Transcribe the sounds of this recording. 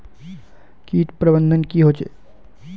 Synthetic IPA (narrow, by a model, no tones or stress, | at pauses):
kiːʈpɾəbə̃nd̪ʱənkiɦoːt͡ʃḛː